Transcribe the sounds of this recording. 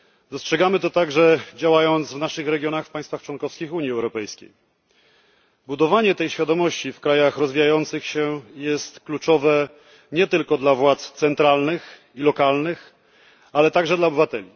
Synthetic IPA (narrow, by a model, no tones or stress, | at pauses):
d̪ɔstʂɛɡamɘt̪ɔt̪aɡʐɛd͡ʑawajɔnt̪svnaʂɘxɾɛɡʲjɔnaxfpaj̃st̪faxt͡ʂwɔnkɔfskʲixuɲiɛwɾɔpɛjskʲḛj | bud̪ɔvaɲɛt̪ɛjɕfʲjad̪ɔmɔɕt͡ɕifkɾajaxɾɔzvʲijajɔnt̪sɘxɕɛjɛst̪klut͡ʂɔvɛ | ɲɛt̪ɘlkɔd̪lavwat̪st̪sɛnt̪ɾalnɘx | ilɔkalnɘx | alɛt̪aɡʐɛd̪laɔbɘvat̪ɛlʲi